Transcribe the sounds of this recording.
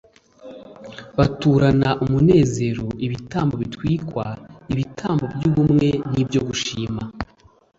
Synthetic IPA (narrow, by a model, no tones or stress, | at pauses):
βatuːɾanaʔumune̞ːze̞ɾo̞iβitaːmbo̞βitwiːkwaiβitʰaːmbo̞bjuːβumŋe̞nibɟo̞ɡuʃiːma